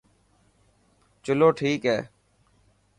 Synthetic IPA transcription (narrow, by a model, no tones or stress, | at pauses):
t͡ʃʊloːʈʰiːkɦɛː